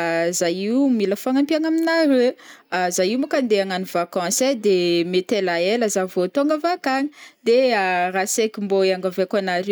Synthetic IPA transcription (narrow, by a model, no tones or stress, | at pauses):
zajiwumiləfaŋampiaŋaminaɾeazajiumukand̪eaŋanivakɑ̃sed̪emet̪elaeləzavot̪oŋɡəvakaɲid̪earasekimboaŋɡavekanaɾ